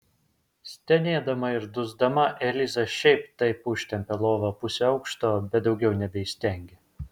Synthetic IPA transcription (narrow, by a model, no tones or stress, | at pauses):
sʲt̪ʲɛnʲeːd̪ɐmɐɪɾd̪ʊzd̪ɐmɐʔɛlʲɪzɐʃʲɛɪpt̪ɐɪpʊʃʲt̪ʲɛmʲpʲɛlˠoːʋɐpʊsʲɒʊkʃt̪oːbʲɛt̪̚d̪ɒʊɡʲɛʊnʲɛbʲɛisʲt̪ʲɛˑŋʲɡʲe